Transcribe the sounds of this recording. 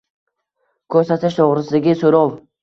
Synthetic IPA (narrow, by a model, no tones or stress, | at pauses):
kʰɵɾsat̪ʰɪʃt̪ʰoʁɾɪsɪd̪ɪɡʲɪsoɾɒlˠ